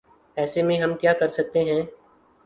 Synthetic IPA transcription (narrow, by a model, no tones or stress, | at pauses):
ɛːsemẽɦɐmkjaːkɐɾsɐk̚t̪eɦɛ̃ː